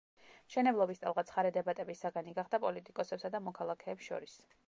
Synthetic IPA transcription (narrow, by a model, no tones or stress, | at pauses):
mʃɛnɛblˠɔbist̪ʼa̰lˠʁat̪sʰχaɾɛd̪ɛbat̪ʼɛbisːaɡaniɡaχd̪apʼɔlit̪ʼikʼɔsɛpsad̪amɔkʰalˠakʰɛːpsʃɔ̰ɾis